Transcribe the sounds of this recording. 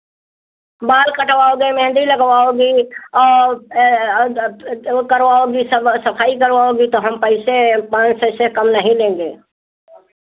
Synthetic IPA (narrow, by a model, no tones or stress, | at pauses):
baːlkəʈwaːoɡemɛ̃ɦɪ̃nd̪iləɡwaoɡiɔː | kəɾwaːoɡisəsəpʰaːikəɾwaːoɡit̪oɦəmpəɪsepãːnt͡ʃsəɪsekəmnəɦĩlẽːŋɡeː